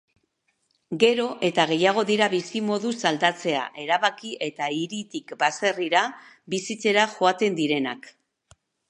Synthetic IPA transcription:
ɡe̞ɾo̞ʔe̞t̪aɣ̞e̞jaɣ̞o̞ðiɾaβisimo̞ðusald̪at͡se̞a̰ʔe̞ɾaβakiʔe̞t̪aiɾit̪ikbase̞riɾa | bisit͡se̞ɾaʝo̞at̪e̞nd̪iɾe̞nak

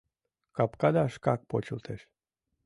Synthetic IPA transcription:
kapkad̪aʃkak̚pot͡ɕult̪ʰeʃ

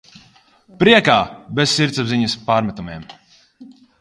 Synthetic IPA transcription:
pɾiɛkaːbessiɾt̪sabziɲɐspaːɾmɛt̪umiɛm

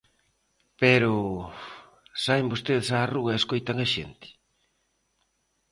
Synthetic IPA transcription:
peɾʊ | saembost̪eðɪsaːruɣɐeskojt̪ɐŋɐʃḛnt̪ɪ̥

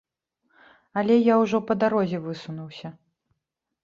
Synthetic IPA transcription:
ɐlʲɛjawʐɔpɐd̪aɾɔzʲɛvɨsunuwsʲɐ

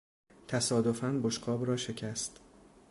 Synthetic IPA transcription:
t̪ʰæsɒːd̪ofænboʃqɒːbɾɒːʃe̞cʰæst̪

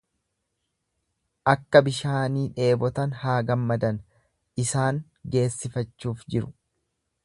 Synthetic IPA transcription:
ʔɐkːɐbɪʃaːniːᶑe̞ːbɔt̪ɐnhaːɡɐmːɐd̪ɐn | ɪsaːŋ | ɡe̞ːsːɪfɐt͡ʃːuːfd͡ʒɪɾʊ̥

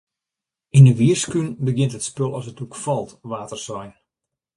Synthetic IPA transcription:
inəʋiərskynbəɡɪntɦətspølˠɔsətukfɔlˠtʋaːtərsɔjn

